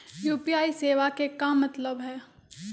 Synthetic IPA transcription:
juːpijaːiseːʋakekamɐt̪ləbɦɛː

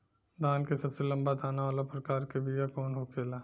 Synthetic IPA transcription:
d̪ʱaːnkesɐbselɐ̃mbad̪ʱaːnaʋaːlapɾɐkaːɾkebʱijakɔːnɦokʰeːlaː

